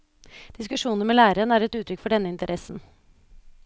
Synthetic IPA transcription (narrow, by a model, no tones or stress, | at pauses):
d̪̥ɪskʉʂuːnəɾmeːlæːɾəənəæːɾɛt̪ʉːt̪ʰɾʏkːfɔɖɛnːəɪnt̪əɾʔɛsn̩